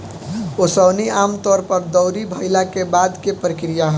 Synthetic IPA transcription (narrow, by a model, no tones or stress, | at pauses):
osəbniaːmt̪ɔːɾpəɾd̪əʊɾibʱəɪlakebaːd̪kepɾəkɾijaɦɛ